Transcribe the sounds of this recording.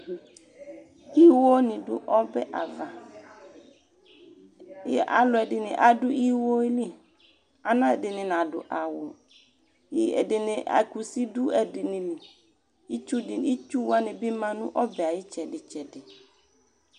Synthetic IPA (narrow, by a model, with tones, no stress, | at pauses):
i˦wo˦nɪ̃˨dʊ̰˦ʔɔ˦bɛ˦ʔa˨va˨˦ | ɛ˦ʔa̰˨lʊ˨ɛ˨dɪ˨nɪ̰̃˨ʔa˨dʊ˦i˦wo˦li˦˨ | a˨nã˦ɛ˨dɪ˨nɪ̃˨n˨ã˨dʊ̰˨ʔa˨wʊ˨˦ | ɛ̰˨dɪ˨nɪ̃˨ʔa̰˨ku˨si˦dʊ˦ɛ˨dɪ˨nɪ̃˨nĩ˨ | i˦t͡ʃu˦dɪ˨i˦t͡ʃu˦wa˦nɪ̃˨bi˦mã˨nʊ̃˦ʔɔ˦bɛ˨a˨jɪ˦t͡ʃɛ˨dɪ˨t͡ʃɛ˨dɪ˨